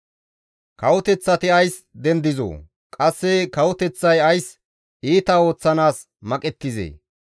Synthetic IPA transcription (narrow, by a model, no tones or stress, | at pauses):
kɐwʊt̪ɛt͡sːɐt̪ɪɐjs | d̪ɛnd̪ɪzo̰ː | kʼɐsːɛkɐwʊt̪ɛt͡sːɐjɐjs | iːt̪ɐo̞ːt͡sːɐnaːs | mɐkʼɛt̪ːɪzḛː